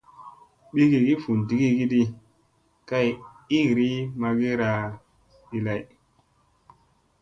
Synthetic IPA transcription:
ɓi˦ɡi˨ɡi˦fu˨nti˨ɡi˦ɡi˦di˦ | ka˦˨j | i˦˨ɾi˦ma˦ɡi˦ɾa˨ | ɗi˦la˦j

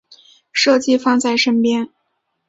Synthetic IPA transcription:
ʂɤ˥˧t͡ɕi˥˧fɑ˥˧ŋt͡sa˥˩ɪʂə˥npjɛ˥n

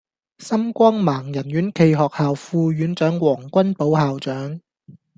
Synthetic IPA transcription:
sɐ˥mkʷɔː˥ŋmaː˨˩ŋjɐ˨˩nɥyː˨˥nkʰe˧jɦɔː˨k̚haː˨wfuː˧ɥyː˨˥nt͡ʃœː˨˥ŋwɔː˨˩ŋkʷɐ˥npo˨˥whaː˨wt͡ʃœː˨˥ŋ

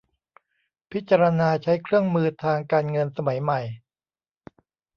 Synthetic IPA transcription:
pʰi˦˥t̪̚t͡ɕːa˧ɾa˧naː˧t͡ɕʰa˦˥jkʰɾɯ˥˩əŋmɯː˧t̪ʰaː˧ŋkaː˧nŋɤ˧nsa˧ma˩˦jma˨˩j

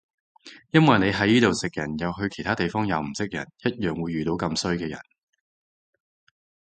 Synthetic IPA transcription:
jɐ˥nwɐ˨jne˨˧jɦɐ˨˥jiː˥t̪o˨wsɪ˨k̚jɐ˨˩njɐ˨˧wɦɵ˧ɥkʰe˨˩t̪ʰaː˥t̪e˨jfɔː˥ŋjɐ˨˧wm̩˨˩sɪ˥k̚jɐ˨˩njɐ˥t̚jœː˨ŋwuː˨˧jːyː˨t̪o˨˥wkɐ˧msɵ˥ɥkɛː˧jɐ̰˨˩n

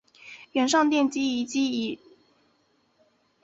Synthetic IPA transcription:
ɥɛ˧˥nʂɑ˥˧ŋt̪jɛ˥˧nt͡ɕi˥i˧˥t͡ɕi˥i˧˥

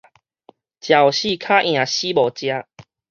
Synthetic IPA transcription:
t͡ɕja˨˩wɕi˥˨kʰa˦ʔj̃ã˨˩˨ɕi˦bɔ˨˩t͡ɕja˧

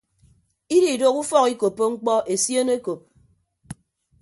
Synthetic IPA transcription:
i˦di˨do˦ku˦fɔ˦ki˦ko˨pːo˦ŋ͡m̩˦k͡pɔ˦ʔe˨sje˦ne˦ko˨p̚

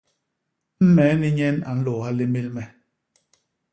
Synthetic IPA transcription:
m̩˦mɛ˨˦ni˦ɲɛ˦na̰˨n̩˦lɔ˨a˦li˦mi˦lmɛ˨

